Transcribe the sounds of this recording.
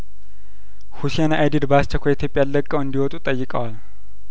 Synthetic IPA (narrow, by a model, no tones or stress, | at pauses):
husijanaʔajd̪id̪bast͡ʃːəkʰʷojit̪ʰjopʼjalːəkʼːəwɨnd̪iwɔt̪ʼut̪ʼəjːɪkʼəwal